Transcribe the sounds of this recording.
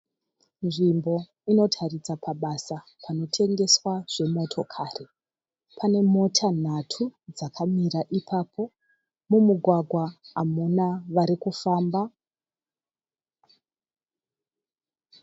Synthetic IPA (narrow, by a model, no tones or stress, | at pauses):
nʐimbo̞ | ino̞tʰarid͡zapʰaɓasa | pʰano̞tʰe̞ŋɡe̞swaʐ̥e̞mo̞tʰo̞kʰaːri | pʰane̞mo̞tʰan̤atʰud͡zakʰamiɾaʔipʰaːpʰo̞ | mumuɡʱwaɡʱwaamunaʋaɾikufaːmba